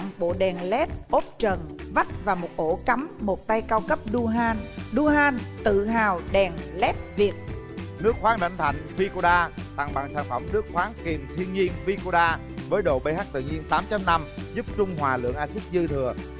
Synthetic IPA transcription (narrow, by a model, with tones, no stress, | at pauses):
ŋɓo̰˧˨ɗɛ˨˩nlɛ˦˥t̚ʔo˦˥p̚t͡ɕə˨˩nva˦˥t̚vaː˨˩mo˨˩t̚ʔo˧˩ka˨˦mmo˨˩t̚t̪a˧jkaː˧wkə˦˥p̚ɗu˧nɗu˧ɦaː˧nt̪ɨ̰˧˨ɦaː˨˩wɗɛ˨˩ŋlɛ˦˥t̚vi˨˩ət̚ | nɨ˦˥ək̚xwaː˨˦ŋɗa̰˧˩jŋt̪ʰa̰˧˩˨jŋ̟vi˧ko˧ɗaː˧t̪a˨˩ŋɓa̰˨˩ŋsaː˧˩nfə˧˩mnɨ˦˥ək̚xwaː˨˦ŋki˨˩mt̪ʰi˧ənŋɲi˧ənvi˧ko˧ɗaː˧ | vəː˨˦jɗo̰˧˨ɓə˧jhɦa˦˥k̚t̪ɨ̰˧˨ɲi˧ənt̪aː˨˦mt͡ɕa˧mna˧mzu˦˥p̚t͡ɕʊ˧ŋ͡mɦwaː˨˩lɨ̰˧˨əŋʔaː˧si˦˥k̚zɨ˧t̪ʰɨ˨˩ə